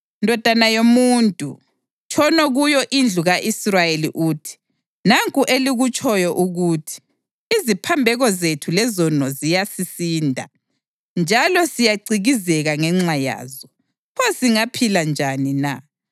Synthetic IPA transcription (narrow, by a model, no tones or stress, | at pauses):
ndʱɔd̥ʱanajomuntʼṵ | t͡ʃʰɔnɔɣujɔʔind͡ɮʱuɣaʔisrajelḭʔuːtʰi̥ | naŋkʼuʔeliɣut͡ʃʼɔjɔʔuɣutʰi̥ː | zipʰambʱɛɣɔzetʰulɛzɔnɔzijasisiːndʱa̰ | nd͡ʒʱalɔsijaǀiɣizɛɣaŋɛŋ͡ǁaja̰ːzɔ | pʰɔsiŋapʰiland͡ʒʱanina